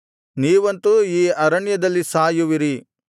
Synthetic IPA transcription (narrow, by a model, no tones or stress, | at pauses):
niːʋɐnt̪uiːɐɾɐɳjɐd̪ɐlːisaːjuʋiɾi